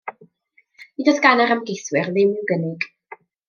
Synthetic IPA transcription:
idɔdɡanaɾəmɡejθwɪrðɪmɪwɡənɪɡ̥

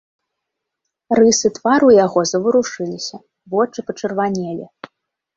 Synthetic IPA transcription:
rɨsɨt̪vaɾujaɣɔzɐvɨɾuʂɨlʲisʲɐ | vɔt͡ʂɨpɐt͡ʂɨrvanʲelʲḭ

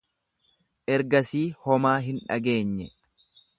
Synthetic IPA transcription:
ʔɛɾɡɐsiːhɔmaːɦɪnᶑɐ̰ɡe̞ːɲːɛ

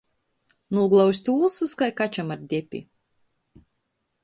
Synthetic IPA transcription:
nuːɡlˠawsʲt̪uːsɨskajkat͡ʃamaɾd̪ʲɛpʲḭ

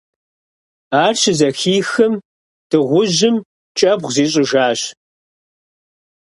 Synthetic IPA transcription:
aːrɕɪzɐxiːxɨm | d̥ʰɨʁʷʊʑɪm | t͡ʃʼɐbʁziːɕʼɪʒaːɕ

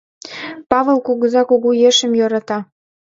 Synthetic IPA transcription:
pɑβəlkuɣə̆zɑkoɣujeʃə̆mjoɾɑt̪ɑ

